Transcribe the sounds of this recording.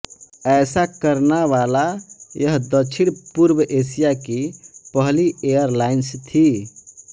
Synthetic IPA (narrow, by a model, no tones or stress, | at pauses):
ɛsakəɾnaʋalajəɦd̪ət͡ʃʰiɽpuɾbəʔesijakipəɦliejəɾlainst̪ʰi